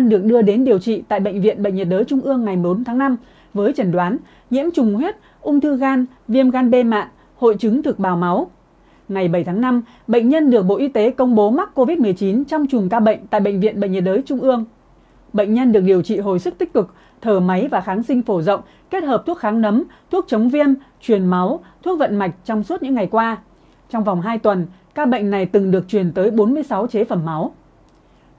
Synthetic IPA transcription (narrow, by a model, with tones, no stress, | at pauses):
nɗɨ˨˩ək̚ɗɨ˧əɗe˨˦nɗi˨˩əwt͡ɕḭ˧˨t̪a̰ː˧˨jɓə̰˧˨ŋ̟vḭ˧˨ənɓə̰˧˨ŋ̟ɲə˨˩t̚ɗəː˨˦jt͡ɕʊ˧ŋ͡mʔɨ˧əŋːa˨˩jmo˨˦nt̪ʰaː˨˦ŋna˧m | vəː˨˦jt͡ɕə˧˩nɗwaː˨˦n | ɲḭ˧˥əmt͡ɕʊ˨˩ŋ͡mɦwe˦˥t̚ | ʔʊ˧ŋ͡mt̪ʰɨ˧ɣaː˧n | vi˧əmɣaː˧nɓe˧ma̰ː˧˨n | ho̰˧˨jt͡ɕɨ˨˦ŋt̪ʰɨ˨˩k̚ɓaː˨˩wma˨˦w | ŋa˨˩jɓə˧˩jt̪ʰːŋna˧m | ɓə̰˧˨jŋɲə˧nɗɨ˨˩ək̚ɓo̰˧˨ʔi˧˦t̪e˨˦kə˧wŋ͡mɓo˨˦ma˦˥t̚ko˧vi˦˥t̚mɨ˨˩əjt͡ɕi˨˦nt͡ɕɔ˧wŋ͡mt͡ɕʊ˨˩ŋ͡mkaː˧ɓə̰˧˨jŋ̟t̪a̰ː˧˨jɓə̰˧˨ŋ̟vḭ˧˨ənɓə̰˧˨ŋɲə˨˩t̚zəː˨˦jt͡ɕʊ˧ŋ͡mʔɨ˧əŋ | ɓə̰˧˨jŋ̟ɲə˧nɗɨ˨˩ək̚ɗi˨˩əwt͡ɕḭ˧˨ɦo̰˧˩jsɨ˦˥k̚t̪ï˦˥k̟̚kɨ˨˩k̚ | t̪ʰəː˧˩ma˨˦jvaː˨˩xaː˨˦ŋsï˧ŋ̟fo˧˩zə̰˧˨wŋ͡m | ke˦˥t̚ɦəː˨˩p̚t̪ʰu˦˥ək̚xaː˨˦ŋnə˨˦mt̪ʰu˦˥k̚t͡ɕə˨˦wŋ͡mvi˧ənt͡ɕwi˨˩ənma˨˦wt̪ʰu˦˥ək̚və̰˧˨nma˨˩jk̟̚t͡ɕɔ˧wŋ͡msu˦˥t̚ɨ̰˧˥ŋːa˨˩jkwaː˧ | t͡ɕɔ˧wŋ͡mva˨˩wŋ͡mɦaː˧jt̪wə˨˩n | kaː˧ɓə̰˧˨jŋ̟na˨˩jt̪ɨ˨˩ŋɗɨ˨˩ək̚t͡ɕwi˨˩ənt̪əː˨˦jɓo˨˦nmɨ˧əjsa˨˦wt͡ɕe˨˦fə˧˩mːa˨˦w